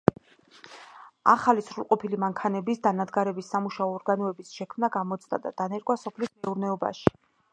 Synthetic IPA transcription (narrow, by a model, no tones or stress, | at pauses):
a̰χalisɾulˠqʼɔpʰilimaŋkʰanɛbisd̪anad̪ɡaɾɛbisːamuʃaɔːɾɡanɔɛbisʃɛkʰmnaɡamɔt̪sʼd̪a̰d̪a̰d̪̥anɛɾkʼwasɔpʰlismɛuɾnɛɔba̰ʃi̥